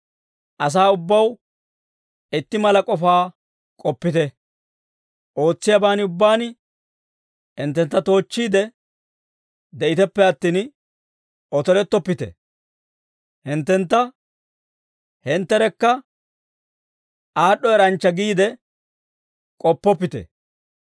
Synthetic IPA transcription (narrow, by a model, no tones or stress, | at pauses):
ʔɐs̬aːʊbːɐw | ɪt̪ːɪmɐlɐkʼɔfaː | kʼɔpːɪt̪ɛ | ʔo̞ːt͡sːɪjɐbaːnʊbːaːn | ɪnt̪ːɛnt̪ːɐt̪o̞ːt͡ʃːiːd̪ɛ | d̪ɛʔɪt̪ɛpːɛɐt̪ːiːn | ʔɔt̪ɔlɛt̪ːɔpːɪt̪ɛ̰ | hɪnt̪ːɛnt̪ːɐ | hɪnt̪ːɛɾɛkːɐ | ʔaːɗːɔɛɾɐnt͡ʃːɐɡiːd̪ɛ | kʼɔpːɔpːɪt̪ɛ̰